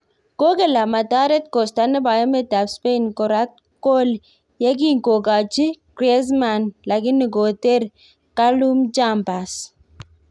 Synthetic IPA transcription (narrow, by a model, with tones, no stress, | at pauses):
ko˦kɛ˨la˨ma˨ta˦ɾɛ˦t̚kɔ˨sta˦nɪ˦ba˨jɔ˦mɛ˦ta˨bspe˦nkɔ˨ɾa˦t̚ | ko˦l | jɛ˦k̬i˦ŋko˨ka˨t͡ʃi˦kɾɛ˦s̬ma˨nla˨kɪ˦nːɪ˨ko˨te˦ɾ | ka˦lu˦md͡ʒa˦mpa˨s